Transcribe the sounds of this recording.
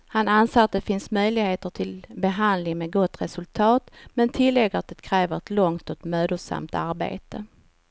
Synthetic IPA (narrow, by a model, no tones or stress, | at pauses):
hananseːɾat̪̚d̪ɛfɪnsmœjlɪɡheːt̪əʈʰɪlbɛɦand̪lɪŋmɛːɡɔt̪ːɾɛsɵlt̪ʰɑːt̪mɛnt̪ʰɪlːɛɡəat̪̚ːɛt̪kʰɾɛːvəɾɛt̪lɔŋt̪ɔt̪møːd̪ʊsa̰mt̪aɾbḛːt̪ə